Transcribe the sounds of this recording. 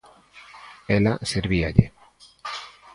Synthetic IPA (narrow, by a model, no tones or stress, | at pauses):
elaseɾβiaʎe